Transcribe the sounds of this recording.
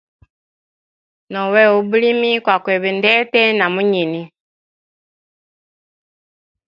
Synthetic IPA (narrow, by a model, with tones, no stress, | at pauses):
nɔ˨wɛ˦˨o˨bu˦li˦mi˦kwa˨kwɛ˨βi˨ndɛ˦tɛ˦na˨mu˦ɲi˨ni˦